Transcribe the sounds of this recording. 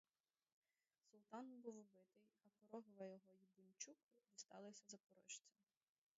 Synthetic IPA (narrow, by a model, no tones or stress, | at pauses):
sʊlˠt̪ɑnbuwɔbɪt̪ɪjɐkɔɾɔɦʊʋɐjɔɦɔjibʊnʲt͡ʃukʊʋʲist̪ɑ̰lˠɪsʲɐzɐpɔɾɔ̰ʃt͡sʲɔm